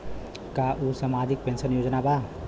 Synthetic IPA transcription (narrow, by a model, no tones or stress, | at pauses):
kaʔusamad̪ʱik̚pensənjod͡ʒnaba